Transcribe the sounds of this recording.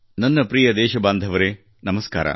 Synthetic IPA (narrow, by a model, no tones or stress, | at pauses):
nɐnːɐpɾiːjɐd̪eːʃɐbaːnd̪ʱɐʋɐɾeː | nɐmɐska̰ːɾɐ̰